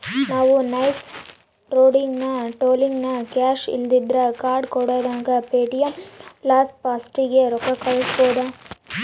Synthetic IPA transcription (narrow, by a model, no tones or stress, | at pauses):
naːʋunɐjs | ɾoːɖiŋɡnɐʈoːliŋɡnɐkaːʃḭld̪id̪ɾɐkaːɾɖkɔɽoːd̪aːŋɡɐpeːʈijɐmplaːspaːsʈiɡeɾɔkɐkːɐɭɐsboːd̪a